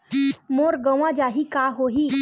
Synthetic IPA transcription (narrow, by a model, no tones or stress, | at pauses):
moːɾɡə̃ʋãd͡ʒaɦikaɦoɦiː